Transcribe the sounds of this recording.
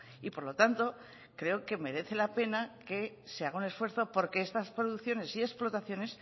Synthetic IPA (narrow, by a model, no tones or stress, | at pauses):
ipo̞ɾlo̞t̪ant̪o̞ | kɾe̞o̞ke̞me̞ɾe̞θe̞lape̞nake̞ | seaɣ̞aune̞sfwe̞ɾθo̞po̞ɾkeest̪aspɾoðukθjo̞ne̞sie̞splo̞t̪aθjo̞ne̞s